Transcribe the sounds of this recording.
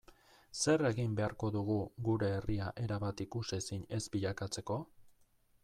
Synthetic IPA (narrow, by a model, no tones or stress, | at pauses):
se̞re̞ɣimbe̞aɾko̞ðuɣuɣuɾe̞ːriaʔe̞ɾaβat̪ikusesiɲe̞zbiʎakat͡se̞ko̞